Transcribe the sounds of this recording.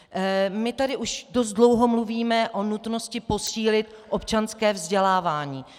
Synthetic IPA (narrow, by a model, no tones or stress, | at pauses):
mɪt̪adɪʔuʃdo̞st̪dlo̞wɦomluviːmɛʔonut̪noscɪpo̞siːlɪt̪ | ʔopt͡ʃanskɛːvzɟɛlaːvaːɲiː